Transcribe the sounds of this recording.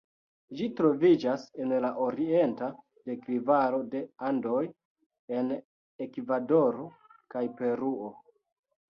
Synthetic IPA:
ʒitɾo̞vid͡ʒase̞nlaʔo̞ɾie̞nta | de̞kɾivaɾo̞de̞ando̞j | e̞n | e̞kvado̞ɾokajpe̞ɾuo̞

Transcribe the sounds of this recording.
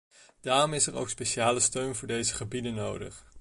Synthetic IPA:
d̥aːrɔmɪsɛro̰wkspeʃaːləstøɥnvʊːɹdejzəχəbidənːowdə̰χ

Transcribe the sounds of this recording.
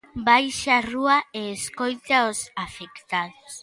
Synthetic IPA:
bajʃaruaeːskojt̪aosafekt̪aðos

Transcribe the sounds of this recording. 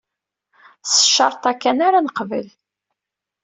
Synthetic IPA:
sə̥ʃːɑɾˤt̪ˤækːænaɾanəqvə̰l

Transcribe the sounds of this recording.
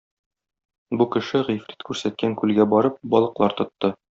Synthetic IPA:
bukɘ̆ʃɘʁifɾʲit̪kʉɾsæt̪̚kæŋkʉlɡæbɒɾɤp̚bɒlˠɤ̆qlˠɑɾt̪ŏt̪ːɤ

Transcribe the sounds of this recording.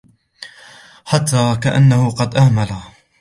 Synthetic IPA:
ħat̪ʰːaːkaʔa̰nːahʊqɑd̪ʔahmala

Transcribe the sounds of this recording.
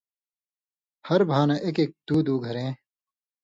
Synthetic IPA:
hɐɾbʱaːnɐʔekeːk̚d̪uːd̪uːɡʱɐɾẽː

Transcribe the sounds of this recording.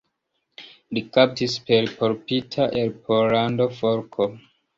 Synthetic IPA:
likap̚tispe̞ɾpʰo̞ɾpitʰaʔelpʰoɾando̞foɾkʰo

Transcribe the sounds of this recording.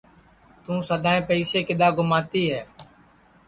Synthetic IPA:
t̪ũːsəd̪aːẽːpəiːseːkɪd̪aːɡʊmaːt̪iːɦɛː

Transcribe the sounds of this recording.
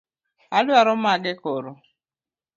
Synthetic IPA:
aluaɾɔmaɡekɔɾo

